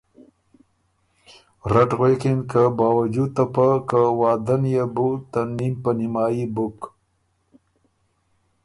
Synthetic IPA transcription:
ɾaʈɣekinkəbɑːwad͡ʒud̪̚t̪apakəwɑːd̪anjebut̪animpənimɑːjibʊk

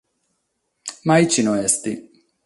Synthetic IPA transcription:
majt͡ʃinoɛst̪i

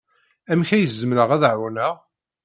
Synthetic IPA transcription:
æmçæjəzːəmɾəʁæðʕʊnəʁ

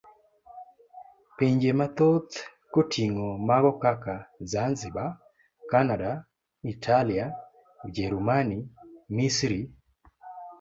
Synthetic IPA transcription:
piɲd͡ʒemat̪ɔt̪ | kotʰiŋɔmaɣɔkakazanziba | kanada | itʰalija | ud͡ʒɛɾumanimisɾi

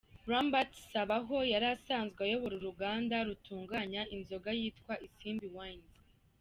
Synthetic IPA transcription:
ɾambatsaβaɦo̞jaɾasaːnzɡajo̞βuɾuɾuɡaːndaɾutuːŋɡaɲaʔinzo̞ɡajiːtkwaʔisiːmbiwanz

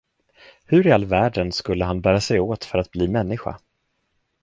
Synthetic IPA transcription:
hɵɾɪalːvæːɖənskɵlːəɦanbæːɾasɛjoːt̪fœɾat̪̚bliːmɛnːɪɧa̰

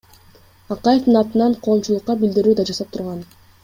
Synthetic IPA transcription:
ɑqɑje̞fd̪ɯnɑt̪ɯnɑɴqʰo̞ːmt͡ʃulˠuqːɑbild̪iɾuːd̪ɑd͡ʒɑsɑp̚t̪ʰuɾʁɑn

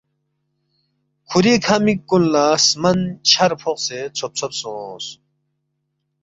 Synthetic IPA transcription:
kʰuɾikʰɐmikɡunlasmɐnt͡ɕʰɐɾpʰoqset͡sʰop̚t͡sʰopsos

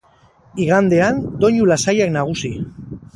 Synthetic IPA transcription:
iɣand̪e̞and̪o̞ɲulasajaknaɣ̞usi

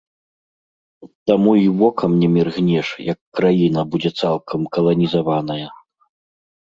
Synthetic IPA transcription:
t̪amuivɔkɐmnʲɛmʲirɣnʲɛʂjɐkːɾajinɐbud͡zʲɛt̪salˠkʰɐmkɐlˠɐnʲizavanɐjɐ

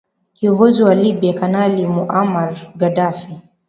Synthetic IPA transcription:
kiɔŋɡɔziwalibiakanalimuʔamaɾɡadafi

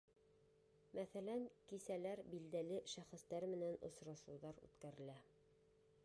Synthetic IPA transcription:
mæθælæŋkisælæɾbild̪ælɘʃæχɘ̆st̪æɾmɘ̆nænŏ̰sɾɑʃuðɑɾʉ̰t̪kæɾɘ̆læ

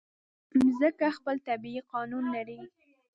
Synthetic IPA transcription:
zəkaxpəlt̪abiiqɑnunlaɾi

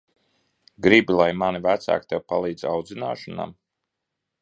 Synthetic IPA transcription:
ɡɾibilˠajmanivæt̪sa̰ːkt̪ɛwpalˠiːd̪zawd̪zinaːʃɔna̰m

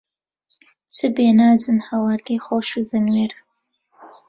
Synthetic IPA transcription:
sɨbeːnaːzɨnhɐwaɾɡejxoːʃuzɨnweːɾ

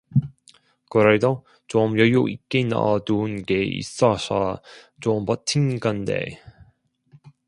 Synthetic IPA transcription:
kɯɾed̪o | t͡ɕomjʌjoʔik͈ːena̰dunɡeḭs͈ʌsʌ | t͡ɕompʌtʰinɡand̪ḛ

